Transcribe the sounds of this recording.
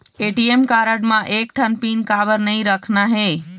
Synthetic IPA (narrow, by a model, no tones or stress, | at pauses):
eʈiemkaɾəɖmãʔek̚ʈʰənpinkabəɾnəjɾəkʰnaɦe